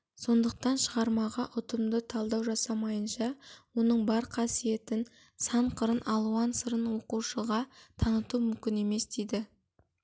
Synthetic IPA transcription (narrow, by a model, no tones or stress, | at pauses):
so̞nd̪əq̚t̪ɑnʃəʁɑɾmɑʁɑʔʊt̪əmd̪ət̪ʰɑlˠd̪ɑwʒɑsɑmɑjənʃɑwo̞nəɴbɑɾqʰɑsije̞t̪ɪn | sɑɴqʰəɾənʔɑlˠuɑnsəɾənwo̞quʃəʁɑt̪ʰɑnət̪umʏmkʲɪne̞me̞sd̪ejd̪ɪ